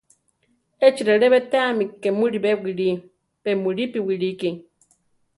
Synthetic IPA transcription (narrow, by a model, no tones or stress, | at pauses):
et͡ʃiɾeɾeβetaːmikːemuɾiβewiɾi | bemuɾipiwiɾiki